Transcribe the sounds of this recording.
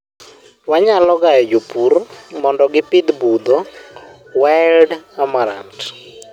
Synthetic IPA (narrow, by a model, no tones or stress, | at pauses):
waɲalɔɡaɛd͡ʒupurmɔndɔɡɪpɪd̪bud̪ɔ | waldamaɾa̰nt